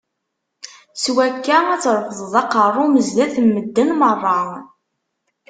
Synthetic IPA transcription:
swækːææt͡sːɾˤfəðˤðˤɑqərˤːʊməzlæθmːəd̪ːənmərˤːɑ

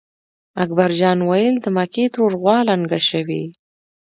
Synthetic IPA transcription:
ak̚baɾd͡ʒɑnwajəld̪əmaket̪ɾoɾɣwɑlaŋɡaʃawi

